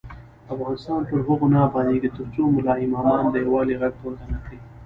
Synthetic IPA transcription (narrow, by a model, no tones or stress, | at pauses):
afɣɑnɪst̪ɑnpəɾɦoɣonabɑnd̪iɡit̪ʊɾt͡ʃomʊlɑimɑmɑnd̪əjawɑliɣaɡ̚t̪oɾd̪anakɽi